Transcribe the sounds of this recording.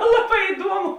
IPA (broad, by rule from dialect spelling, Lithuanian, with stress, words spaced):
ˈlˠɑːˌbɑː ɪˈduɔmʊ